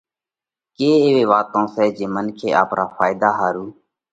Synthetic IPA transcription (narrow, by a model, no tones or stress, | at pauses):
keːeːʋeːʋaːt̪õːsɛːd͡ʒeːmənkʰeːʔa̰ːpɳaːfaːɪd̪aːɦaːɾuː